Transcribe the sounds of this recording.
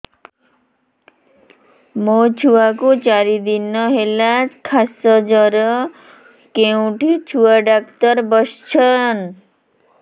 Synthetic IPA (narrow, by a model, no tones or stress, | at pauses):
mot͡ɕʰuakut͡ʃaɾid̪inːɔɦelakʰasɔd͡ʑɔɾɔ | kewʈt͡ɕʰuaɖakt̪ɔɾbɔst͡ɕʰən